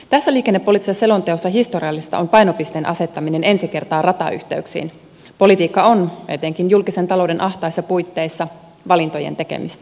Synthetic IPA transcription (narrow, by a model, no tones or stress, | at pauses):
t̪æsːæliːkenːepːo̞lit̪ːˑisese̞lo̞nt̪eosːɑɦist̪o̞ɾiɑlːist̪ɑʔonpɑjnopist̪eːnʔɑse̞t̪ːɑmine̞ne̞nsike̞rt̪ɑːrɑt̪ɑ̰y̰ht̪e̞yksḭːn | po̞lit̪iːkːɑonet̪e̞ŋkinjulkise̞nt̪ɑlo̞wde̞nʔɑht̪ɑjsːɑpujt̪ːe̞jsːɑ | ʋɑlint̪o̞jḛnt̪e̞kḛmist̪æ̥